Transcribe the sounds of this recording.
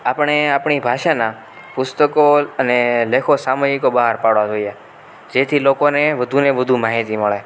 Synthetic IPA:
apəɳ̃eapɳibʱaʃana | pʊst̪əkoənelekʰosaməjikobəɦaɾpaɽʋad͡ʒoie | d͡ʒet̪ʰilokoneʋəd̪ʱuneʋəd̪ʱumaɦit̪iməɭe

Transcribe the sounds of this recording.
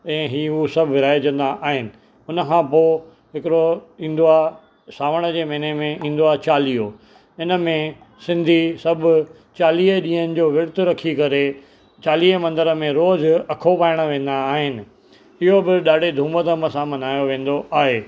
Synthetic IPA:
ɛ̃ːɦiːusɐbʱʋɪɾaːed͡ʑɐ̃nd̪aʔaːɦɪnɪ̆ | ʊnə̆kʰãpoː | ɦɪkɪɾoĩːn̆d̪oaː | saːʋəɽ̃ə̆d͡ʑeːmeːnemẽĩːnd̪oaːt͡ɕaːliːɦo | ɪnəmẽ | sɪ̃nd̪ʱisɐbʱʊ | t͡ɕaːliːəɗĩːɦənɪ̆d͡ʑoːʋɪɽɪt̪ʊɾɐkʰikɐɾe | t͡ɕaːliːəmɐ̃nd̪əɾəmẽɾoːzɐkʰopaːɪɽ̃ə̆ʋẽːn̆d̪aːɦɪnɪ̆ | ɪɦobɪɗaːɖ̤ʱed̪ʱũːmət̪əməsãmɐnaːjoʋẽːn̆d̪oʔaːɦeː

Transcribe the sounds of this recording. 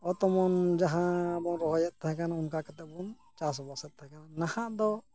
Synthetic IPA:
ɔt̪ɔmɔnd͡ʒaɦãbɔŋɾɔɦɔjɛt̪̚t̪ːaɦɛ̃kanaunkakat̪ɛʔ̚bɔn | t͡ʃaɾs̬ɔbɔsɛt̪̚t̪ːaɦɛ̃kananahãʔd̪ɔ

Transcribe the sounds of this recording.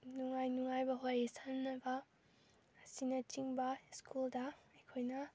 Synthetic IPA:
nuŋajnuŋajbɐɦojesanːɐbɐː | sinɐt͡ʃiŋbɐskʰuldɐɐjkʰojnɐ

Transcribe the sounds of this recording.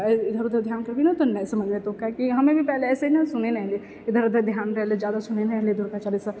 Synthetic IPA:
ɪd̪ʱəɾd̪əɾd̪ʱjaːnkɐɾbinɐt̪onɛ̃sɐmɐd͡ʒmet̪õkakiɦɐmẽbʱipɛɦleɛːseinɐsʊnenɐɦle | ɪd̪ʱəɾɐd̪ɐɾd̪ʱjaːnɾɛɦlezjaːd̪asʊnenɐɦled̪ʱʊɾkat͡ʃalisɐ̃

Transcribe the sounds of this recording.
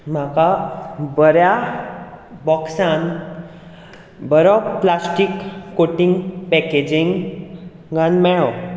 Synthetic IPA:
m̤akabəɾja | bɔksãn | bəɾɔplasʈikːoʈiŋɡpɛked͡ʑiŋɡ | ɡãnmɛɭɔ

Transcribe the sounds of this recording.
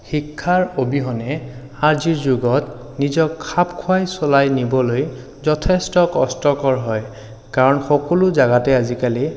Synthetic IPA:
xikʰːaɹobiɦɔnɛ | aɹziɹzuɡɔt | nizɔkʰːapkʰʊajsɔlajnibɔloj | zɔtʰɛstɔkɔstɔkɔɹɦɔj | kaɹɔnxɔkɔlʊzaɡatɛazikali

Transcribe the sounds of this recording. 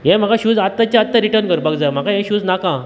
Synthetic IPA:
jɛ̃m̤akaɕuːd͡zat̪ːat͡ɕaat̪ːaɾiʈəɾnkəɾbəɡd͡zajm̤akãɦjɛ̃ɕuːd͡znakã

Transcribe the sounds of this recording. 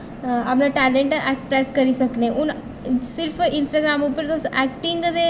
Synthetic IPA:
ɐpnaʈɛːlẽɳʈekspɾɛːskɐɾisɐknẽʔʊn | sɪɾpʰɪ̃nsʈaːɡɾaːmupəɾd̪oːsʔɛːk̚ʈɪŋɡd̪e

